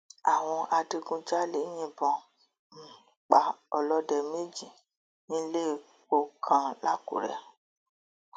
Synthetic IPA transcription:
a˨w̃ɔ̃˧a˧di˧ɡũ˧d͡ʒa˦le˨˦jĩ˧bɔ̃˧˨ | n̩˨ | k͡pa˨ɔ˧lɔ˦dɛ˧˨me˦d͡ʒi˨ | nĩ˦le˦˨ | k͡po˧kʰã˧la˦˨kṵ˨ɾɛ̰˧˦

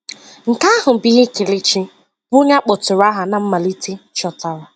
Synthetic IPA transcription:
ŋ̩˨ka˦ɦʊ˨bi˦ɦɪ˦kɪ˨lɪ˦t͡ʃi˦ | bʊ˦ɲa˦k͡po˨tʊ˨ɾa˦ɦa˨na˨m̩˦ma˨li˦ti˦t͡ʃɔ˨ta˨ɾa˨

